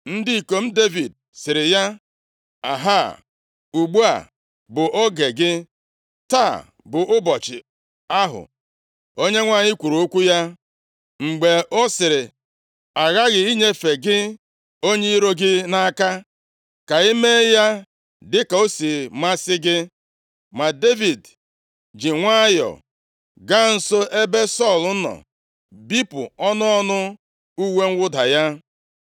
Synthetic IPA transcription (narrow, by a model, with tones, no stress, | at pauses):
n̩˦dɪ˦i˨ko˨m̩˦de˦vi˨d̚ | sɪ˨ɾɪ˨ja˦ | a˨ɦa˦˨ | u˨ɡ͡bu˦a̰˨ | bʊ˨ʔɔ˦ɡe˨ɡɪ˦ | ta˦˨ | bʊ˨ʔʊ˦bɔ˨t͡ʃɪ̰˨ | a˦ɦʊ̰˨ | o˦ɲe˦ŋʷa˦˨ɲɪ˦kʷu˨ɾu˨o˦kʷu˦ja˦ | ŋ͡m̩˨ɡ͡be˨ɔ˦sɪ˨ɾɪ˨ | a˨ɣa˦ɣɪ˨i˦ɲe˦fe˨ɡɪ˦ | o˦ɲe˦i˦ɾo˦ɡɪ˦na˦ka˦ | ka˨i˦me˦ja˦ | dɪ˦ka˨o˦si˨ma˦sɪ˦ɡɪ˦ | ma˨de˦vi˨d | d͡ʒɪ˨ŋʷa˦jɔ̰˨ | ɡa˦n̩˦so˦ʔe˦be˦sɔ˦˨l̩˨˦nɔ̰˨ | bi˦pʊ˨ɔ˦nʊ˦ɔ˦nʊ˦ | u˦we˦ŋ̩˦wʊ˦da̰˨ja˦